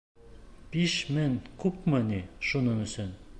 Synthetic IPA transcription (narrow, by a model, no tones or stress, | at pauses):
piʃmɘnkʉpmɤ̆niʃunɤŋɵ̆sɵn